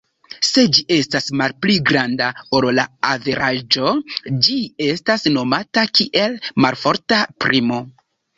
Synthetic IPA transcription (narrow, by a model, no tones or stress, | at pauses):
se̞d͡ʒiʔe̞stasmalpliɡɾandaoɾlaave̞ɾad͡ʒo̞d͡ʒie̞stasno̞matakiʔe̞lmalfo̞ɾtapɾʔimo̞